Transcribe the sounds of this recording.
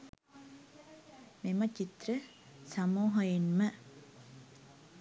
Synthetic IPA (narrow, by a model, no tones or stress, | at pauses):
memɐt͡ʃit̪ɾə | sɐmuːɦɐjenmɐ